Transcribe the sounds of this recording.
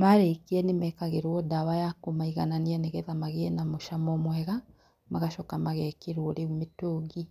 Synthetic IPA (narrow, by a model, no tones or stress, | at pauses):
maɾekeɛnemɛkaɣeɾwɔdawajakomaiɣananiɛneɣɛðamaɣeɛnamoʃamɔmwɛɣa | maɣaʃɔkamaɣɛkeɾwɔɾeumetoːɡi